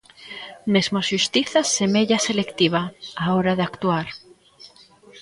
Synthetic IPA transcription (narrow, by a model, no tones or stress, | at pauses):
mezmoaʃust̪iθasemeʎaselekt̪iβ̞aaoɾaðeakt̪uaɾ